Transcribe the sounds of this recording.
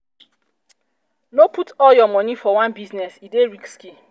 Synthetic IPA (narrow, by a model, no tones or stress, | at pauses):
noputɔljɔmɔnifɔwãnbiznɛsideɾikski